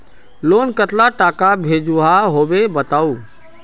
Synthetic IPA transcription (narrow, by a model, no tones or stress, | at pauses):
lonkət̪laʈakabʱed͡ʒuɦaɦobebət̪aːu